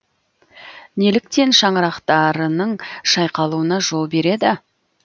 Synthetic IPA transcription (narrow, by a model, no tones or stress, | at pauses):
ne̞lɪk̚t̪e̞nʃɑɴəɾɑqt̪ɑɾənəɴʃɑjqɑlˠuənɑʒo̞lˠbe̞ɾe̞d̪ɪ